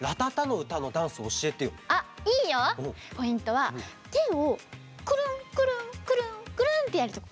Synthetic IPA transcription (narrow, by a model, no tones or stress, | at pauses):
ɾat̪at̪ano̞ɯ̟t̪ano̞d̪ãɰ̃sɨːɕie̞t̪e̞joaiːjoõpo̞ĩnt̪o̞βa | ɡ̪eo | kɯ̟ɾɯ̃ŋkɯ̟ɾɯ̟̃ŋkɯ̟ɾɯ̟̃kɯ̟ɾɯ̟̃nt̪e̞jaɾɯ̟t̪ok